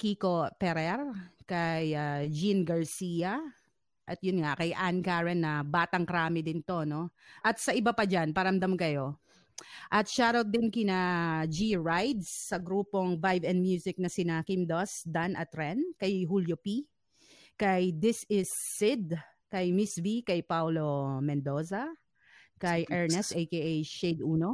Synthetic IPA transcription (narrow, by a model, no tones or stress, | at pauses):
kiko̞pɛɾɛɾkɐjad͡ʒinɡɐɹsiːɐ | ʔɐt̪̚jʊnŋakɐjʔankaɹɛnːɐbaːt̪ɐŋkɐɾaːmɪd̪ɪnt̪o̞no̞ʔɐt̪̚sɐʔɪbapɐd͡ʒanpɐɾɐmd̪amkɐjo̞ | ʔɐt̪̚ʃaːɾot̪̚d̪ɪnkɪnad͡ʒiɹajd̪sːɐɡɾuːpo̞ŋvajvɛ̃nd̪mjuːsɪk̚nɐsɪnakimd̪osd̪anʔɐt̪ɾɛnkɐjɦuljopi | kɐjd̪ɪsɪsːɪd̪̚ | kɐjmɪsvikɐjpawlo̞mɛnd̪o̞ːsɐ | kɐjʔɛɹnɛst̪ejkeʔejʃʃed̪ʔuːno̞